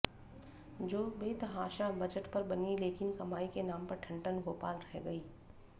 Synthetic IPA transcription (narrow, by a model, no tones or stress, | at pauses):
d͡ʒoːbeːt̪ɐɦaːʃabɐd͡ʒəʈpɐɾbɐnileːkɪnkɐmaːikenaːmpɐɾʈʰɐ̃ɳʈənɡoːpa̰ːlɾɐɦɡɐiː